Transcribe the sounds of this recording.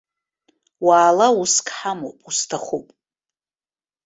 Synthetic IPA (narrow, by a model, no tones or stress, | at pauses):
waːlauskʰʼħamo̰pʼustʰaχupʼ